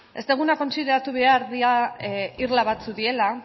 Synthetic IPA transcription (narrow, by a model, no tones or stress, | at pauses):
e̞st̪eɣ̞unako̞nsiðe̞ɾat̪uβe̞aɾðiairlaβat͡suðie̞la